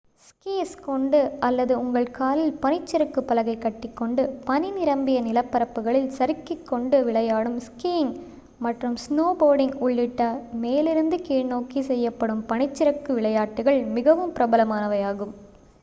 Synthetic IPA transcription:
skiːskɔɳɖɯʔɐlːɐðɯʊŋɡɐɭkaːlɪlpɐɳɪt͡ʃːɪɾɐkːɯpːɐlɐɣɐɪkːɐʈːɪkːɔɳɖɯpɐninɪɾɐmbɪjɐnɪlɐpːɐɾɐpːɯɣɐɭɪlsɐɾɯkːɪkːɔɳɖɯʋɪɭɐjaːɽɯmskiːɪŋ | mɐʈrɯmsnoːboːɾɖɪŋɡʊɭːɪʈːɐmeːlɪɾɯnd̪ɯkiːɻnoːkisɛjːɐpːɐɽɯmpɐɳɪt͡ʃːɪɾɐkːɯʋɪɭɐjaːʈːɯɣɐɭmɪɣɐʋɯmpɪɾɐbɐlɐmaːnɐʋɐjaːɣɯm

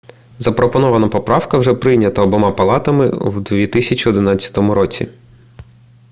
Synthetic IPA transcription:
zɐpɾʔɔpɔnɔʋɐnɐpɔpɾɑwkɐwʒɛpɾɪjnʲɐt̪ɐɔbɔmɑpɐlˠɑt̪ɐmɪ̰wd̪ʋʲit̪ɪsʲɐt͡ʃʲiɔd̪ɪnɑtʲt͡sʲːɐ̥t̪ɔmʊɾɔt͡sʲḭ

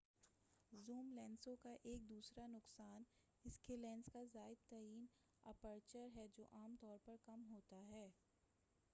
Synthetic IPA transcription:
zuːmlɛ̃ːnsõkaʔeːk̚d̪uːsɾanʊqsaːn | ɪskelɛ̃ːnskazaːɪd̪̚t̪ɐɾiːn | ɐpəɾt͡ʃəɾɦɛd͡ʒo̰ːʔaːmt̪ɔːɾpɐɾkɐmɦoːt̪aɦɛː

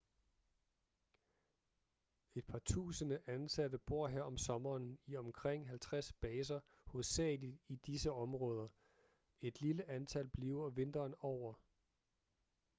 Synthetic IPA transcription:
e̝d̥̚pʰɑ̈t͡sʰṵːsənəʔænsæd̥əb̥o̝ɐ̰ɦeɐ̰ɒ̽msɒ̽mɐːniɒ̽mkʰʁeŋ̰ɦælt͡sʰʁasb̥ɛːs̬ɐ | hɔsɛ̰ːlid̥id̥isəɒ̽mʁɔ̽ːð̞ˠɐ | e̝d̥liləʔænt͡sʰælb̥liːʊɐʋe̝nd̥ɐːnɒʊ̰ɐ

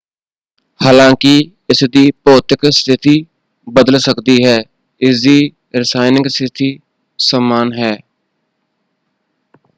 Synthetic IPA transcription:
haːlãːkɪ | ɪsd̪iːpɔːt̪ɪkst̪ʰɪt̪iː | bəd̪əlsəkd̪iɦɛː | ɪsd̪iː | ɾɪsaːɪnɪŋɡst̪ʰɪt̪ʰiː | saːmaːnɦɛː

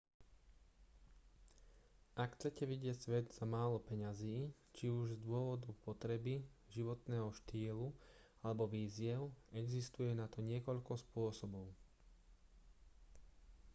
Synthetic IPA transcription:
ʔakxt͡sɛcɛʋiɟɪɛcsʋɛd̪z̥amaːlɔpɛɲaziː | t͡ʃiuʒzd̪ʊɔʋɔd̪upɔt̪ɾɛbiʒiʋɔt̪nɛːɦɔʃt̪iːlu | alɛbɔʋiːzɪɛʊɛɡzist̪ujɛnat̪ɔɲɪɛkɔʎkɔspʊɔsɔbɔʊ

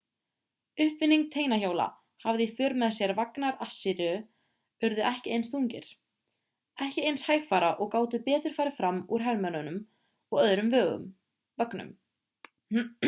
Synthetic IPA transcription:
ʏhpvɪnːiŋk̚t̪ʰeːjnaçoːwla̰ | havðɪifʏːɾmɛðasjɛɾvaknaɾasːɪɾʏ | ʏɾðʏʔɛhcɪejnsθuɲcɪ̰ɾ̥ | ɛhcɪejnshajxfaːɾaʔɔɣkaːwt̪ʏpɛːt̪ʏɾ̥faːɾɪfɾamːuɾ̥ɦɛlmœnʏnʏm | ɔɣœðɾʏmvœːɣʏ̰m | vœknʏ̰m

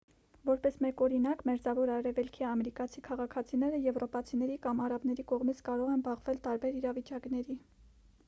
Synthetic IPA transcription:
vɔɾpɛsmɛkɔɾinɑkmɛɾd͡zɑvɔɾɑɾɛvɛlkʰiɑmɛɾikɑt͡sʰikʰɑʁɑkʰɑt͡sʰinɛɾəjɛvrɔpɑt͡sʰinɛɾikɑmɑɾɑbn̪ɛɾikɔʁmit͡sʰkɑɾɔʁɛnbɑʁvɛlt̪ɑɾbɛɾiɾɑvit͡ʃɑknɛɾi

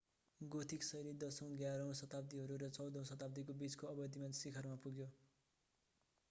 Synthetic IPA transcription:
ɡot̪ʰiksʌjɾid̪ʌsʌw̃ɡjaɾʌw̃sʌt̪ab̚d̪iɦʌɾuɾʌt͡sʌw̃d̪ʱʌw̃sʌt̪abd̪ikobit͡skoʌbʌd̪imansikʰʌrmapuɡjo

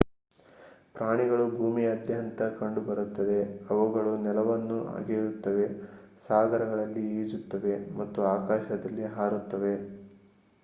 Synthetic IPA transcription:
pɾaːɳiɡɐɭubʱuːmiɐd̪jɐɐnt̪ɐkɐɳɖubɐɾut̪ːɐd̪e̞ɐʋuɡɐɭunɛlɐʋɐnːua̰ːɡeːɾut̪ːɐʋe̞ | saːɡɐɾɐɡɐɭɐlːiiːd͡ʒut̪ːɐʋe̞mɐt̪ːuaːkaːʃɐd̪ɐlːiɦaːɾut̪ːɐʋe̞

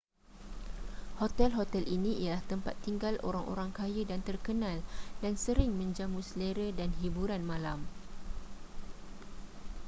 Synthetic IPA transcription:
hot̪ɛlɦot̪ɛlʔinĩijalaht̪əmpa̰t̪ːiŋɡalʔo̰ɾaŋo̰ɾaŋkajədant̪ərkənãldansəɾɪŋmə̃ɲd͡ʒamusleɾədanɦibuɾanmãlam

